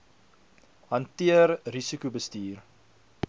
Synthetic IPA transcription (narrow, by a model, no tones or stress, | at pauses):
ɦɐntiərrisikubəstiːr